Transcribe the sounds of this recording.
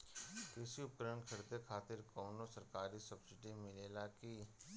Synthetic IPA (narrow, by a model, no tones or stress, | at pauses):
kɪsiʊpkɾəəɳkʰɐɾd̪ekʰaːt̪ɪɾkoːnosɐɾkaːɾisɐbsɪʈimɪleːlakiː